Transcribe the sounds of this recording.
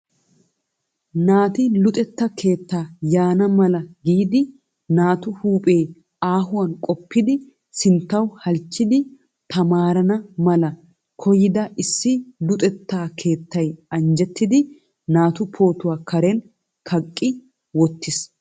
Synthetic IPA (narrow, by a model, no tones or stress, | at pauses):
naːt̪ɪlʊt̪ʼɛt̪ːɐkʰe̞ːt̪ːaːjaːnɐmɐlɐɡiːd̪ɪ | naːt̪ʊhuːpʼe̞ː | aːɦʊwɐnkʼɔpːɪd̪ɪ | sɪnt̪ːɐwhɐlt͡ʃːɪd̪ɪ | t̪ʰɐmaːɾɐnɐmɐlɐ | kʰɔjɪd̪ɐʔɪsːɪlʊt̪ʼɛt̪ːaːkʰe̞ːt̪ːɐjɐnd͡ʒɛt̪ːɪd̪ɪ | naːt̪ʊpʰo̞ːt̪ʊwaːkɐɾɛn | kʰɐkʼːɪ | wɔt̪ːɪs